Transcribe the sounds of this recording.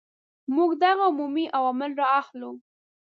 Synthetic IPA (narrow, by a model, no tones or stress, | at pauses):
muɡd̪aɣaʊmumiʔawɑmɪlɾɑaxlu